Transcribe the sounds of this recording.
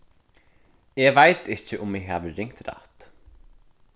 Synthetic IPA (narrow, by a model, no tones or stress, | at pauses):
ɛvajt̪ɪt͡ʃɪʔʊmɪɣɦa̰ːʋəɾɪŋ̥t̪ɾa̰ht̪